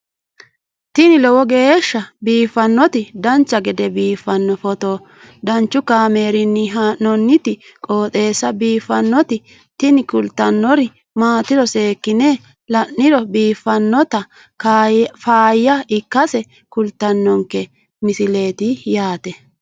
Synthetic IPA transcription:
t̪ɪnɪlɔwɔɡe̞ːʃːɐbiːfːɐnːɔt̪ɪd̪ɐnt͡ʃːɐɡɛd̪ɛbiːfːɐnːɔfɔt̪oː | d̪ɐnt͡ʃːʊkaːme̞ːɾɪnːɪɦanːɔnːɪt̪ɪkʼoːt̪ʼe̞ːsːɐbiːfɐnːɔt̪ɪ | t̪ɪnɪkʊlt̪ːɐnːɔɾɪ | maːt̪ɪdɔse̞ːkːɪne | lɐnːɪɾɔbiːfːɐnːɔt̪ɐ | kːfaːjːɐɪkːɐsɛ | kʊlt̪ːɐnːɔŋkːɛ | mɪsɪle̞ːt̪ɪjaːt̪ɛ

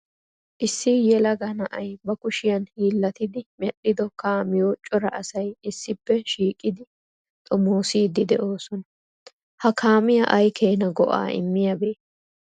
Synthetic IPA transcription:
ʔɪsːɪjɛlɐɡɐnɐʔɐjbɐkʊʃɪjɐnhiːlːɐt̪ɪd̪ɪmɛɗɪd̪ɔkaːmɪjoːt͡ʃʼːɔɾɐʔɐsɐjɪsːɪpːɛʃiːkʼːɪd̪ɪ | t̪ʼɔmoːsiːd̪ɪd̪ɛ̰ʔo̞ːsɔnɐ | hɐkʰaːmɪjɐʔɐjkeːnɐɡɔʔa̰ːɪ̰mːɪjɐbeː

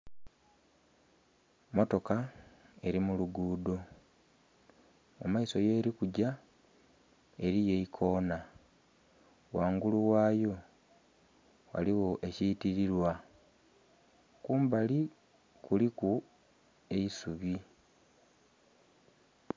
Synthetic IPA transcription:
mo̞to̞kae̞ɾimuluɡuːdo̞ | maiso̞jeːɾikuɟa | e̞ɾije̞ikʰo̞ːna | waːŋɡuluwaːjo̞ | wa̰liɣoʔe̞ciːtiɾiɾwa | kuːmbali | kuliku | e̞isuβi

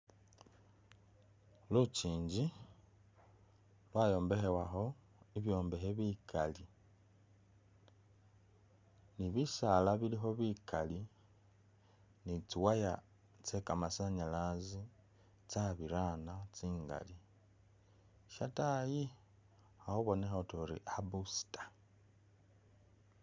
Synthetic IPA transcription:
lut͡ʃiːɲɟi | lwaːjo̞ːmbe̞xewaxo̞ | iβjo̞ːmbe̞xeβikʰali | niβisalaβilixo̞βikali | nit͡siwaja | t͡se̞kamasaɲalazi | t͡saβiɾaːnat͡siːŋɡa̰li | ʃataji | xahoβo̞nexotoɾḭʔabusi̥tḁ

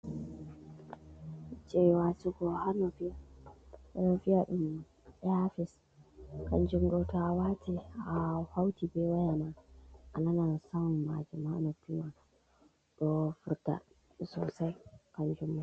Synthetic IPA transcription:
d͡ʒɛwasuɡɔhanɔfijahanɔfijaɗum | ɛafis | kand͡ʒumɡɔtawatiafawtibɛwajamaʔananansanma̰d͡ʒɛmanɔpːima | ɗɔfuɾta̰ | sɔ̰sajkand͡ʒumːa

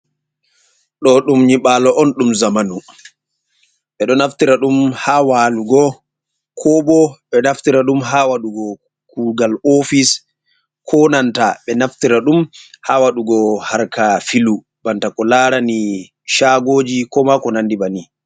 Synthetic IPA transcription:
ɗɔɗumɲiɓaːlɔʔɔnɗumzamanu | ɓɛɗɔnaftiɾaɗumhawaluɡɔ | kʰɔbɔɓɛnaftiɾaɗumɦawaɗuɡɔ | kuɡalofis | kʰɔnantaɓɛnaftiɾaɗumhawaɗuɡɔhaɾkafilu | b̥antakɔlaɾani | ʃaɡoːd͡ʒikɔmakɔnandibani

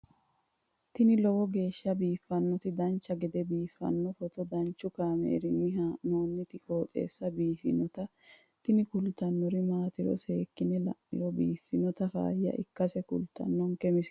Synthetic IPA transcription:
t̪ɪnɪlɔwɔɡe̞ːʃːɐbiːfːɐnːɔt̪ɪd̪ɐnt͡ʃːɐɡɛd̪ɛbiːfːɐ̰nːɔfɔt̪ɔd̪ɐnt͡ʃːʊkaːmḛːɾɪnɪhanoːnːɪt̪ɪko̞ːt̪ʼe̞̰ːsːɐbiːfɪ̰nɔt̪ɐ | t̪ɪnɪkʊlt̪ːɐnːɔɾɪmaːt̪ɪɾɔ̰se̞ːkːɪnɛlɐ̰ʔɪɾɔbiːfːɪnɔt̪ɐfa̰ːhɪjɐ̰ʔɪ̰kːɐsɛkʊ̰lt̪ɐ̰nːɔŋkɛmɪs

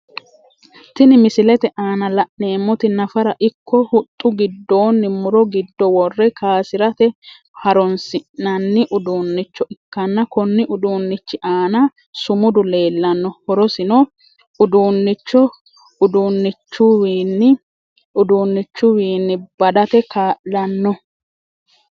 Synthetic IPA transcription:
t̪ːɪnɪmɪsɪlɛt̪ɛʔaːnɐlɐʔne̞ːmːɔt̪ɪnɐfɐɾɐʔɪkːɔhʊt̪ʼːʊɡɪd̪ːo̞ːnːɪmʊɾɔɡɪd̪ːɔwɔrːɛkʰaːsɪɾɐt̪ɛ | hɐɾɔnsɪʔnɐnːɪʔʊd̪uːnːɪt͡ʃːɔɪkːɐnːɐkɔnːɪʔʊd̪uːnːɪt͡ʃːɪʔaːnɐ | sʊmʊd̪ʊle̞ːlːɐnːɔhɔɾɔsɪnɔ | ʊd̪uːnːɪt͡ʃːɔ | ʊd̪uːnːɪt͡ʃːʊwːnːɪ | ʊd̪uːnːɪt͡ʃːʊwiːnːɪb̥ɐd̪ɐt̪ɛkaːʔlɐnːɔ

